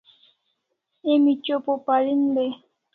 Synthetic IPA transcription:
emit͡ʃopopalinbe

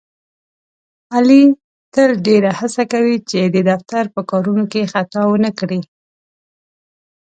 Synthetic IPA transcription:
ali | t̪əlɖeɾahasakawit͡ʃed̪əd̪aft̪aɾpəkɑɾunokexat̪ɑwənəkɽi

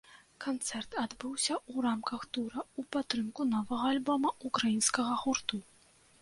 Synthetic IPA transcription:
kant̪sɛrt̪ad̪bɨwsʲɐuɾamkɐxt̪uɾɐupat̪ːɾɨmkunɔvɐɣɐalʲbɔmɐukɾajinskɐɣɐɣurt̪u

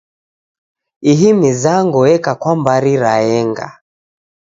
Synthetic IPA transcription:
iɦimizaŋɡuɛkakwambaɾiɾaɛŋɡa̰

